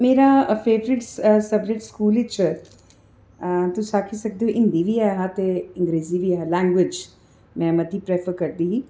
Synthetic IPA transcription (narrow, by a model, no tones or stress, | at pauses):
meːɾãfeːʋɾɪʈssɐbd͡ʒɪʈskuːlɪt͡ʃ | t̪usaːkʰisɐkd̪eɦuʔɪ̃nd̪iʋiːaɦat̪eɪ̃ŋɡɾeːziʋiːaɦalɛ̃ːŋɡʋɪd͡ʒ | mɛ̃ːmɐt̪ipɾɛːfəɾkɐɾd̪iːɦiː